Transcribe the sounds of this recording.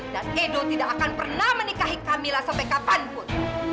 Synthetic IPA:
danʔedot̪idaʔːkanpərnahmənikaɦikamilahsampajkapanpʊn

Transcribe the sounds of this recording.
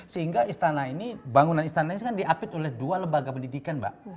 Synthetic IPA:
səɦiŋɡaist̪anainibaŋunanist̪anaiiskandiʔapɪt̪olɛhdualəmbaɡapəndidikanba̰ʔ

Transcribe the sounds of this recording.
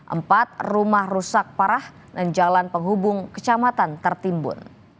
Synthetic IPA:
ʔə̰mpat̪̚rumahrusak̚paɾah | dand͡ʒalanpəŋɦubʊŋkət͡ʃamat̪ant̪ərt̪imbʊ̰n

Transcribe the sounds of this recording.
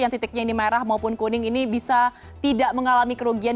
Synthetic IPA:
jaŋt̪it̪ɪk̚ɲainimaeɾahmaupʊnkonɪŋinibisa | t̪idaʔməŋalamikəɾoɡian

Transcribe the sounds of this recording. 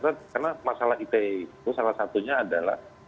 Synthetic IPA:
t̪akarnamasalahit̪eit̪usalahsat̪uɲaːdala̰h

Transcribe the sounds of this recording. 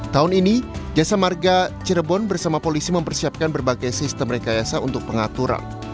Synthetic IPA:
t̪aɦʊninid͡ʒasamarɡat͡ʃəɾəbɔnbərsamapolisiməmpərsiap̚kanbərbaɡajsist̪əmɾekajasaunt̪ʊk̚pəŋat̪uɾa̰n

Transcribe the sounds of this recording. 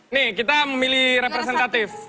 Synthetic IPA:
nikit̪aməmilihɾepɾɛsɛnt̪at̪if

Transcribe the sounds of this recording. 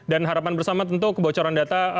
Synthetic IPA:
danɦaɾapanbərsamat̪ənt̪ukəbawat͡ʃaɾandat̪a

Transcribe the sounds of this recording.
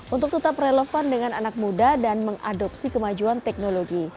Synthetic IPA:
ʔunt̪ʊk̚t̪ət̪aprelofandəŋananak̚mudadanməŋa̰dɔp̚sikəmad͡ʒuant̪ɛk̚noloɡi

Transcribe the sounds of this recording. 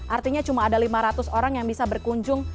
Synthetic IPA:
ʔart̪iɲat͡ʃumaːdalimaɾat̪ʊsoɾaŋjaŋbisabərkuɲd͡ʒʊŋ

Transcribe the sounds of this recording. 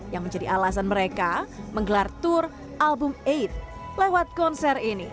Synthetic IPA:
jaŋməɲd͡ʒadiʔalasanməɾekaməŋɡəlart̪ʊr | ʔalbʊmeit̪̚ | lewat̪̚kɔnsɛrini

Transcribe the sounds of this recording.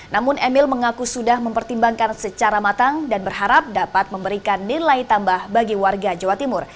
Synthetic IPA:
namʊnʔɛmɪlməŋakusudahməmpərt̪imbaŋkansət͡ʃaɾamat̪aŋdanbərɦaɾap̚dapat̪̚məmbəɾikanːilajt̪ambahbaɡiwarɡad͡ʒawat̪imʊr

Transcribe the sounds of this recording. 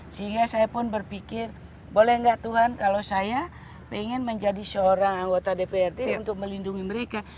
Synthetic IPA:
səɦiŋɡasajapʊnbərpikɪr | bolɛhŋɡaʔt̪uɦankalosaja | peŋɪnməɲd͡ʒadisəoɾaŋaŋɡot̪adepeɛrdeunt̪ʊk̚məlinduŋiməɾeka

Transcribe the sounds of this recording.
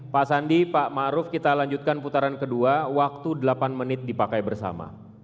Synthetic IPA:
pasandipaʔmaɾʊfkit̪alaɲd͡ʒut̪̚kanput̪aɾankəduawak̚t̪udəlapanmənɪt̪̚dipakajbərsa̰ma̰

